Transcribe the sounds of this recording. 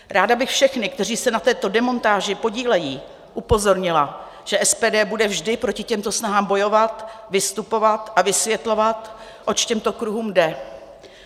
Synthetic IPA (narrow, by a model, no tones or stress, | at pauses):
ɾaːdabɪxfʃɛxnɪk̚t̪ɛriːsɛnat̪ɛːt̪o̞dɛmo̞nt̪aːʒɪpo̞ɟiːlɛjiː | ʔupo̞zo̞ɾɲɪla | ʒ̥ɛʔɛspɛːdɛːbudɛvʒdɪpɾo̞cɪcɛmt̪o̞snaɦaːmbo̞jo̞vat̪vɪst̪upo̞vat̪ʔavɪsvjɛt̪lo̞vat̪ | ʔo̞t͡ʃcɛmt̪o̞kɾuɦuːmdɛ